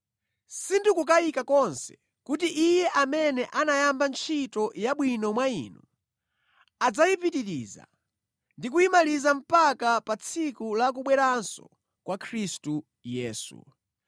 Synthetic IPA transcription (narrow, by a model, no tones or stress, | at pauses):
sindukukajikakɔnsɛ̥ | kut̬iʔijɛʔamɛnɛʔanajambant͡ʃʰitɔjaɓwinɔmwaḭnu | ad͡zajipitiɾḭza̰ | ndikuimalizam̩pakapat͡sʰikulak̬uɓwɛɾansɔ̰ | kwakʰɾistu | jɛːsṵ